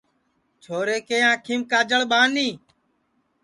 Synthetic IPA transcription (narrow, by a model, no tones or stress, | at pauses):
t͡ʃʰoːɾeːkeːãːkʰimkaːd͡ʒəɭɓaːniː